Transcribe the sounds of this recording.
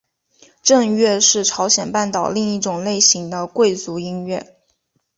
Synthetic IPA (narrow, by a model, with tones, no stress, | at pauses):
ʈ͡ʂɤ˥˧ŋɥɛ˥˧ʂɻ̩˥˩ʈ͡ʂʰɑ˧˥ʊɕjɛ˨˩npa˥˩nt̪ɑ˨˩ʊli˥˧ŋi˥˩ʈ͡ʂʊ˨˩ŋle˥˩ɪɕi˧˥ŋd̪ə˧kwe˥˩ɪt͡su˧˥i˥ŋɥɛ˥˩